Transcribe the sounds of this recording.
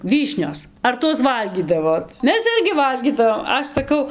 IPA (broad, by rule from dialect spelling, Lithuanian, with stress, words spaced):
ˈʋʲiːʃʲnʲoːs ɐr ˈtuɔs ˈʋɐlʲɡʲiːdɐʋoːt ˈmʲɛs ˈɪrʲɡʲɪ ˈʋɐlʲɡʲiːdɐʋoːm ˈɐʃ sɐˈkɐʊ